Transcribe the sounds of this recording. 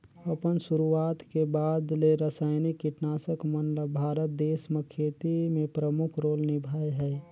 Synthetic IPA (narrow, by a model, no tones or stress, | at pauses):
əpənsuɾuat̪kebaːd̪leɾəsaːɪnikkːɪʈnaːsəkmənləbbʱaːɾət̪̚d̪eːsməkʰeːt̪imẽpɾəmʊkʰɾoːlnɪbʱaːjɦɛɛ